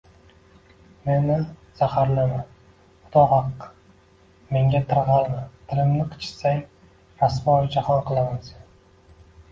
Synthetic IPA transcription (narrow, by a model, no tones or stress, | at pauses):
me̞nɪz̥ahaɾlɪm | ʊt̪ʰɒhɑqː | me̞ŋɡʲat̪ʰɨɾʁɑlˠmat̪ʰɪlɪmnɪqʰɨ̥t͡ʃʰɪ̥saj | ɾasmɪɒjd͡ʒahɒnqʰɨlˠamasan